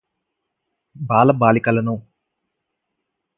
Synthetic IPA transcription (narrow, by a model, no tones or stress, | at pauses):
baːlɐbaːlikɐlɐnu